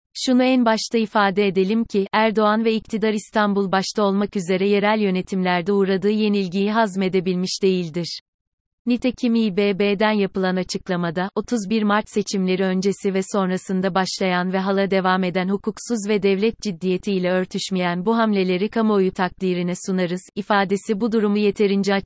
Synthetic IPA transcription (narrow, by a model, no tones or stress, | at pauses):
ʃunuænbaʃt̪ʰaifaːd̪ɛed̪e̞lʲimcʰiʔæɾd̪o̞anvɛict̪ʰid̪aɾist̪ʰanbulˠbaʃt̪ʰaolˠmakyze̞ɾɛje̞ɾælʲjø̞ne̞t̪ʰimlʲæɾd̪ɛuːɾad̪ɯːje̞nilʲɟijiɦazme̞d̪e̞bilʲmiʃd̪e̞jilʲd̪iɾ̥ | nit̪ʰecʰimiːbeːbeːd̪ænjapɯlˠanat͡ʃʰɯklˠamad̪aʔo̞t̪ʰuzbiɾmaɾt͡ʃse̞t͡ʃʰimlʲe̞ɾiø̞nd͡ʒe̞sivɛso̞nɾasɯnd̪abaʃlˠajanvɛɦalˠad̪e̞vaːme̞d̪ænhukʰuksuzvɛd̪ɛvlʲɛt̪̚d͡ʒid̪ːije̞t̪ʰiːlʲɛø̞ɾt̪ʰyʃmejænbuɦamlʲe̞lʲe̞ɾikʰamoojut̪ʰak̚d̪iːɾinɛsunaɾɯz̥ifaːd̪e̞sibud̪uɾumuje̞t̪ʰe̞ɾind͡ʒa